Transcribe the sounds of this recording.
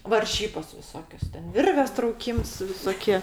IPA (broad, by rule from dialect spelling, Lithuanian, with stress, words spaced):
ʋɐrʲˈʒʲiːboːs ʋʲɪˈsoːkʲoːs ˈtʲɛn ˈʋʲɪrʲʋʲeːs trɐʊˈkʲiːms ʋʲɪsoːˈkʲiɛ